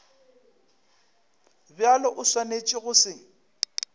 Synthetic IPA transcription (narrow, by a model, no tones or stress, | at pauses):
bjalɔʔʊswanet͡ʃʼɪɣʊsɪ